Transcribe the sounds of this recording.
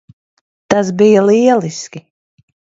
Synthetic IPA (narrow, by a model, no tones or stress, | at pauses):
t̪as̬bijɐlˠiɛlˠiskʲi